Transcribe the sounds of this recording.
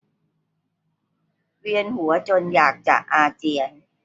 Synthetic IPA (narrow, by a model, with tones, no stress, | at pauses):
wi˧ənhu˩˦ɐt͡ɕo˧njaː˨˩k̚t͡ɕa̰˨˩ʔʔaː˧t͡ɕi˧ən